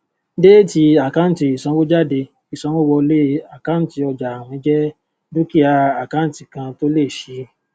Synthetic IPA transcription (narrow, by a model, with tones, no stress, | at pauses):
de˦ti˧a˨kã˦n̩˨˦ti˨i˨sã˧˦wo˦d͡ʒa˦˨de˧ | i˨sã˨˧˦wo˦wɔ˧le˦a˨kã˦n˦ti˧ɔ˧d͡ʒa˨a˨w̃ɔ̃˧˦d͡ʒɛ˦ | du˦ki˦a˧a˨kã˦˨ti˨kã˧to˦le˦˨ʃi˧˦